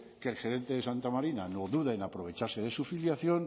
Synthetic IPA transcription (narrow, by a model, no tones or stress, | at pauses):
kelxe̞ɾe̞nt̪e̞ðesant̪amaɾinanoðuðaenapɾo̞β̞e̞t͡ʃaɾseð̞e̞sufiljaθjo̞n